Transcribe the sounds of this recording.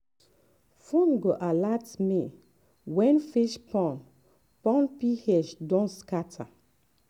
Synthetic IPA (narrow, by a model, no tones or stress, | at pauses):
fonɡoʔalatmi | wɛ̃nfiʃpɔ̃n | pɔ̃npihɛʃdɔ̃nskatʰa̰